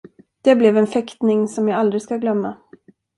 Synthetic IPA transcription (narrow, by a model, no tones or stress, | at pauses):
d̪̥ɛblɛvɛnfɛkt̪nɪŋsɔmjaald̪ɾɪskaɡlœmːa